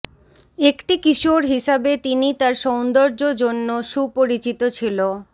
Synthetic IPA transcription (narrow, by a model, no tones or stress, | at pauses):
ekʈikiʃoɾɦiʃabet̪init̪aɾʃɔwnd̪oɾd͡ʑod͡ʑonːoʃupoɾit͡ɕit̪ot͡ɕʰilo